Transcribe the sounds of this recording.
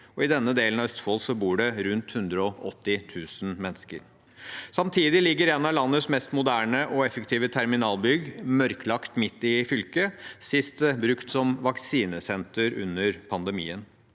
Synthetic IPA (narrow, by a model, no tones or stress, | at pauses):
ɔɪd̪ɛnːəd̪eːlənɑʋœst̪fɔːlsɔbuːɖɛɾʉnt̪hʉnd̪ɾəɔʔɔt̪ːɪt̪ʰʉːsn̩mɛnːskə̰ɾ | sɑmt̪ʰiːd̪ɪlɪɡːəɾɛnɑlɑnːəsmɛst̪mʊd̪æːɳəʔɔɛfəkt̪ʰiːʋət̪ʰɛɾmɪnɑːlbʏɡmœɾklɑkt̪mɪt̪ːɪfʏlkəsɪst̪bɾʉkt̪sɔmʋɑksiːnəsɛnt̪əɾʉ̰nːəɾpʰɑnd̪ɛmḭːən